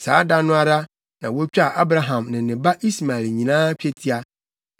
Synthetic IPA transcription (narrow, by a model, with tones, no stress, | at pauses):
sa̰ː˨˦da˦nʊ̃˦a˦ɾa˦ | nã˨wo˦t͡ɕᶣa˦˨ʔa˦bɾa˨ɦã˨mnɪ̃˨nɪ̃˨ba˦ʔi˦sma˨ɛ˨lɲĩ˨nãː˦t͡ɕᶣe˦tʰi˦a˦